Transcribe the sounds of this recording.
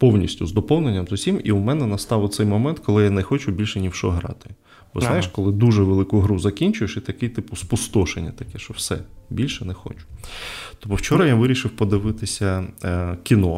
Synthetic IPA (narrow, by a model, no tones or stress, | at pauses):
pɔwnʲisʲtʲʊzd̪ɔpɔwnenʲːɐmzʊsʲimḭʊmɛnɛnɐst̪ɑʋʊt̪sɛjmɔmɛnt̪kɔlˠɪjanɛxɔt͡ʃʊbʲilʲʃɛnʲiwʃɔɦɾɑ̰t̪ɪ̥ | b̥ɔ̰znɑjɪʃkɔlˠɪd̪uʒɛʋelˠɪkʊɦɾuzɐkʲinʲt͡ʃʊjeʃit̪ɐkɪjt̪ɪpʊspʊst̪ɔʃenʲːɐt̪ɐkɛʃɔwsɛ̰bʲilʲʃɛnɛxɔ̰t͡ʃʊ̥t̪ɔpɔwt͡ʃɔɾɐjaʋɪɾʲiʃɪwpɔd̪ɪʋɪt̪ɪsʲɐ | kʲinɔ